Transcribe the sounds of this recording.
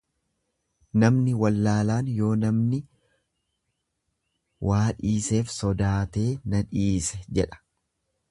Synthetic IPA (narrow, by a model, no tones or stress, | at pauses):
nɐmnɪwɐlːaːlaːnjo̞ːnɐmnɪ | wʔaːᶑiːse̞ːfsɔd̪aːt̪e̞ːnɐᶑiːsɛd͡ʒɛᶑɐ̥